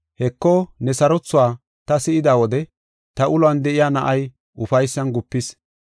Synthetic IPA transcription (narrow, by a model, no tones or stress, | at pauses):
hɛkːonɛsɐɾɔt͡sːʊwaː | t̪ɐsɪɪd̪aːwɔd̪ɛ | t̪ɐʔʊlʊɐnd̪ɛʔɪjaːnɐʔɐj | ʔʊfɐjsːɐnɡʊpːɪs